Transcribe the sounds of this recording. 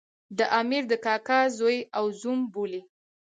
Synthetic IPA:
d̪əʔɑmiɾd̪əkɑkazojawzumboli

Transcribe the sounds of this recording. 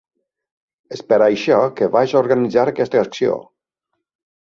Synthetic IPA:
əspeɾajʃɔkeβaʒoɾɣənid͡zaɾəkɛst̪əːksio̰

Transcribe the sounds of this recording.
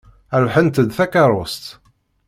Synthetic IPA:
æɾuħənt̪əd̪θækːɑɾˤost̪

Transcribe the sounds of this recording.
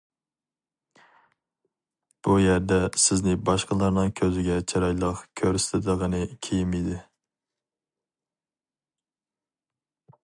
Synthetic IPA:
b̥ujæɾd̪ɛsɪznɪbɑʃqəlˠɑɾnɨŋkʲʰøzɪɡʲɛt͡ʃʰeɾɑjlˠəqkʲʰøɾst̪ʰɪd̪əʁənɨkʲʰejimid̪ɪ

